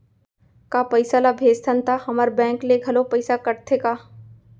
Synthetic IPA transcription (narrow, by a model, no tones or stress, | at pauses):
kaːpɐɪsalabʱeːd͡ʒt̪ʰənt̪ʰahɐmaɾbɛ̃ːŋkleɡʱɐlopɐɪsakɐɾt̪ʰekaː